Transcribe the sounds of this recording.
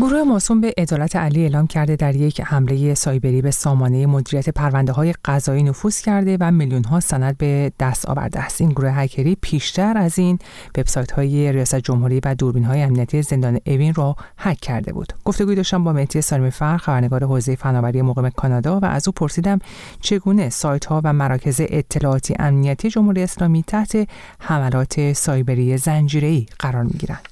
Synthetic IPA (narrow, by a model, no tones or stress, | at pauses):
ɡoɾuːhe̞mɒːsumbe̞ʔed̪ɒːlæt̪ʰeʔæliːeːlɒːmcʰæɾd̪e̞d̪æɾje̞cʰhæmle̞je̞sɒːjbe̞ɾiːbe̞sɒːmɒːne̞jemo̞d̪iːɾijæt̪ʰe̞pʰæɾvænd̪eɦɒːje̞ɢ̥æzɒːiːno̞fuːz̥cʰæɾd̪e̞væmiljunɦɒːsænæd̪̚be̞d̪̥æst̪ɒ̰ːvæ̰ɾd̪eæst̪ʔiːnɡoɾuːheɦæcʰeɾiːpʰiːʃt̪ʰæɾæzin | ve̞b̥sɒːjt̪ʰhɒːjeɾijɒːsæt̪ʰed͡ʒo̞mɦuɾiːvæd̪uɾbiːnɦɒːjeæmniæt̪ʰijeze̞nd̪ɒːne̞ʔevinruhæcʰːæɾd̪e̞̰bṵːd̪̥ɡ̥o̞ft̪e̞ɡuːid̪ɒːʃt̪æmbɒːme̞ht̪ʰije̞sɒːlimifæɾxæbæɾneɡɒːɾe̞ɦoːzeje̞fænɒːvæɾije̞moɣime̞kʰɒːnɒːd̪ɒːvæ̰ʔæ̰zuːpʰo̞ɾsiːd̪æm | t͡ʃʰe̞ɡuːne̞sɒːjt̪hɒːvæmæɾɒːcʰe̞ze̞ʔet̪ʰːe̞lɒːɒːt̪ʰiːḛʔæmnijæt̪ʰije̞d͡ʒo̞mhuɾijeːslɒːmiːt̪ʰæht̪ʰe̞ | hæmælɒːt̪ʰe̞sɒːjbe̞ɾije̞zænd͡ʒiːɾe̞iːɢ̥æɾɒːɾmḭɟḭɾæ̰nd̪̥